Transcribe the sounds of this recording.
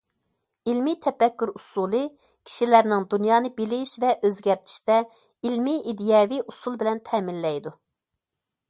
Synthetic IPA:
ilmit̪ʰɛpɛkʲːyɾusulˠɨ | kʲʰi̥ʃilæɾnɪŋd̪unjɑːnɨbɪlɪʃvɛʔøzɡʲæɾt̪ʰi̥ʃt̪ɛ | ilmiʔid̪ijɑːviʔusulˠbɪlɛnt̪ʰɛmɪnlɛjd̪u

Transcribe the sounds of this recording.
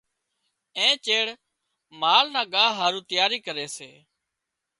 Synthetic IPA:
ẽːt͡ʃeːɽ | maːlnãːɠaːɦaːɾũːt̪ɪjaːɾiːkəɾeːseː

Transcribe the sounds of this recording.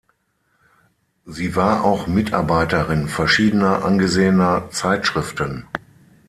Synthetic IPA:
ziːvaːɐʔaʊxmɪta̰ɐbaɪtəʁɪnfɛɐʃiːdənɐʔa̰nɡəzeːənɐt͡saɪtʃʁ̥ɪftən

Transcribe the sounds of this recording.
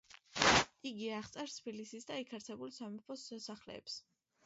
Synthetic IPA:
iɡiaχt̪sʼɛɾst̪ʰbilisisd̪aikʰaɾt̪sʰɛbulˠsamɛpʰɔssaχlɛ̰ːps

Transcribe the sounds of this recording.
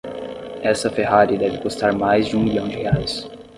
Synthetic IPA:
ɛsɐfeɦaɾid̪ɛvɪkust̪aɾmajzd͡ʒɪũmiʎɐ̃w̃d͡ʒɪheajs

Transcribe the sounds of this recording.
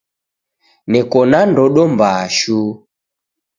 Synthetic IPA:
nɛkɔnandɔɗɔmbaːʃu

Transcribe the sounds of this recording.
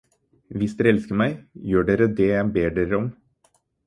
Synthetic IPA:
ʋɪsd̪eːɛlskəmæɪjøːɖeːɾəd̪ejæɪbeːɖeːɾəɔm

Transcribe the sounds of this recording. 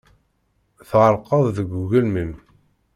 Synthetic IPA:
θʁəɾˤqəðˤðəɡʷuɣəlməm

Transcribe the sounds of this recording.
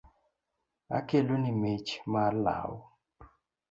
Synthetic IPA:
a̰kelonimet͡ʃmala̰w

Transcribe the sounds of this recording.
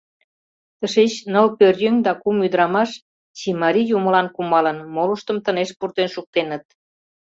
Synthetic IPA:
t̪əʃet͡ɕnəlpørjøŋd̪ɑkumyd̪əɾɑmɑʃ | t͡ɕimɑɾijuməlɑnkumɑlənmoluʃt̪əmt̪əneʃpurt̪enʃuk̚t̪enət̪̚

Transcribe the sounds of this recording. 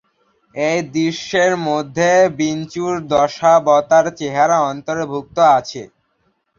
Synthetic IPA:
ejd̪iʃːeɾmod̪ʱːebint͡ɕuɾd̪ɔʃabɔt̪aɾt͡ɕeɦaɾaɔnt̪oɾbʱuk̚t̪oat͡ɕʰe

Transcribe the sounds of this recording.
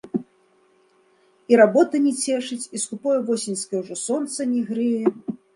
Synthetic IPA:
iɾabɔt̪ɐnʲɛt͡sʲɛʂɨt͡sʲist̪upɔjɛvɔsʲinʲskʲɐwʐɔsɔnt̪sɐnʲiɣɾɨjɛ

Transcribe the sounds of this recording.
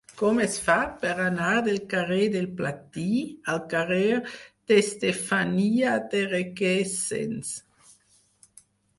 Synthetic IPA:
kɔmɛsfat̪̚pɛʁanad̪elkaʁed̪elplat̪ialkaʁed̪̥est̪efaniad̪eʁekɛsḛns

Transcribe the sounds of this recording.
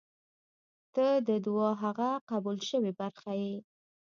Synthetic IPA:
t̪əd̪əd̪wɑɦaɣaqabulʃəwebaɾxaji

